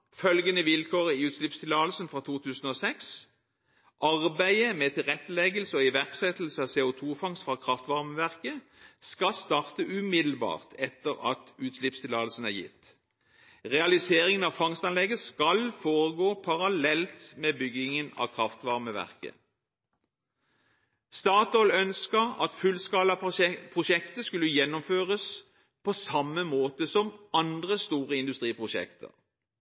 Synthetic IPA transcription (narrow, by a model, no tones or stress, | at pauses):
fœlɡənəʋɪlkʰoːʁəiːʉːt̪ʃlɪpst̪ʰɪlɑːlsənfʁɑːt̪ʰuːt̪ʰʉːsn̩oːsɛks | ʔɑʁbæɪəmɛt̪ʰɪlʁɛt̪ːəlɛɡəlsəɔɪʋæʁksɛt̪l̩səɑʋseːʊt̪ʰuːfɑŋst̪fʁɑːkʰʁɑft̪ʋɑʁməʋæʁkə | skɑst̪ɑːʁt̪əʔʉmɪd̪l̩bɑ̰ːʁt̪ʰɛt̪ːəʁɑ̰t̪ʉːt̪slɪpst̪ʰɪlɑːlsn̩æʁjɪ̰t̪ː | ʁɛɑlɪseːʁɪŋənɑʋfɑŋst̪ɑnlɛɡəskɑlfoːʁəɡoːpʰɑʁɑlɛlt̪meːbʏɡɪŋənɑ̰ːkʰʁɑft̪ʋɑʁməʋæ̰ʁkə̰ | st̪ɑːt̪ɔlœnskəʁɑ̰t̪fʉlskɑːlɑpʰʁʊʃɛkt̪əskʉlːəjɛnːɔmføːʁəs | pʰɔsɑmːəmoːt̪əsɔmɑnd̪ʁəst̪uːʁəɪnd̪ʉst̪ʁiːpʁʊʃɛ̰kt̪ʰə̰ʁ